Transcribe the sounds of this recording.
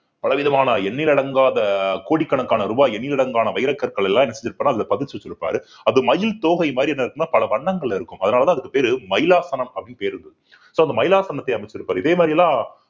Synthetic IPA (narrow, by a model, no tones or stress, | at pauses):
pɐlɐʋɪðɐmaːnɐɛɳːɪlɪɽɐŋɡaːðɐkoːɽikːɐɳɐkːaːnɐɾʊbaːɛɳːɪlɪɽɐŋɡaːnɐʋɐɪɾɐkːɐɾkɐɭɛlːãːɛnːɐsɛɲd͡ʒɪɾɯpːaːɾnːaːɐðɪðɐpɐðɪt͡ʃːɯʋɪt͡ʃːɪɾɯpːa̰ːɾɯ | ɐðɯmɐjɪlt̪oːɣɐjmaːd̪ɾiɛnːɐɪɾɯkːɯnːaːpɐlɐʋɐɳːɐŋɡɐɭlɪɾɯkːɯmɐðɐnaːlɐt̪ãːɐðɯkːɯ̥peːɾɯmɐjɪlaːsɐnɐmɐpɐɽinːpeːɾɯɾɯnd̪ɐðɯ | soːɐnd̪ɐmɐjɪlaːsɐnɐt̪ːɐɪɐmɐɪt͡ʃːɪɾɯpːaːɾɯɪðeːmaːɾɪjɐlːãː